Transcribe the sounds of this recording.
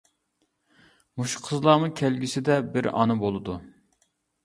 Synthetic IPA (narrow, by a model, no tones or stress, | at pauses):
muʃu̥qʰəzlˠɑmɨkʲʰælɡʲisɪd̪ɛbɪɾɑ̰nɨbolˠɨd̪u